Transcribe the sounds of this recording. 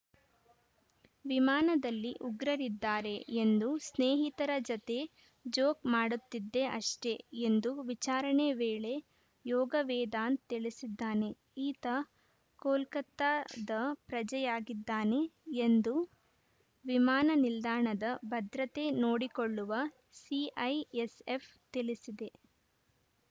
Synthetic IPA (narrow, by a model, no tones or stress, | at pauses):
ʋimaːnɐd̪ɐlːiʔuɡɾɐɾid̪ːaːɾe̞end̪usneːɦit̪ɐɾɐd͡ʒɐt̪e̞ | d͡ʒoːkmaːɽut̪ːid̪ːe̞ʔɐʂʈe̞end̪uʋit͡ʃaːɾɐɳeʋeːɭe̞ | jɔːɡɐʋɛːd̪aːnt̪iɭisid̪ːaːne̞ | iːt̪ɐ | koːlkɐt̪ːad̪ɐpɾɐd͡ʒɐjaːɡid̪ːaːne̞end̪u | ʋimaːnɐnild̪aːɳɐd̪ɐbʱɐd̪ɾɐt̪e̞noːɽikoɭːuʋɐ | siʔɐjesep | t̪ilisid̪e̞